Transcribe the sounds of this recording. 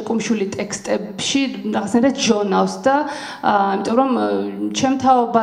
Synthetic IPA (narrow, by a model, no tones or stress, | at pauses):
kʼumʃwilit̪ʼɛkʰst̪ʼɛb̥ʃiɾaʁat̪snaɾʰat̪ʒɔnafsd̪a | imit̪ʼɔmɾɔmt͡ʃʰɛmt̪ʰaɔba